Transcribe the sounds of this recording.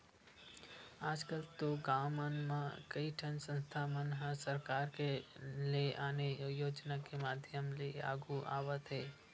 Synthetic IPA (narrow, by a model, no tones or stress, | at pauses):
aːd͡ʒkəlt̪oɡaːmənmãkəiʈʰə̃nsə̃nst̪ʰamənɦə̃səɾkaːɾkeleʔaːnejoːd͡ʒnakemaːd̪ʱjəmlea̰ːɡuʔa̰ːʋət̪ɦɛː